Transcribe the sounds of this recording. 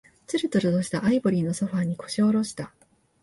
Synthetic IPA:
t͡sɨɾɯ̟t̪oɾɯd̪oɕi̥t̪aʔaibo̞ɾʲiːno̞so̞ɸaːɲ̟iko̞̥ɕioɾo̞ɕi̥t̪a

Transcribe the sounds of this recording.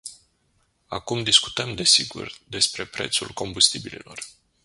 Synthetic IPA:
akumd̪isku̥t̪əmd̪e̞siɡṵrd̪e̞spɾe̞pɾe̞̰t̪sulko̞mbust̪ibilḭlo̞r

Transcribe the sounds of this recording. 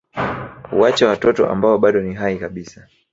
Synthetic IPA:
ṵwat͡ʃawatɔtɔ̰ʔa̰mbaɔɓaɗɔniɦaikaɓisa

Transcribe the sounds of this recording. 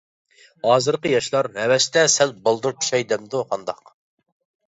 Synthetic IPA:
hɑːzɨɾqəjɑʃlˠɑɾhɛwɛʃt̪ɛsɛlbɑlˠd̪uɾt͡ʃʰu̥ʃɛjd̪ɛmd̪uχɑnd̪ɑq

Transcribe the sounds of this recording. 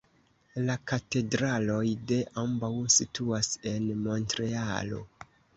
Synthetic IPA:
lakate̞dɾalo̞jde̞ʔambawsitʰuase̞nmo̞ntɾe̞alo̞̰

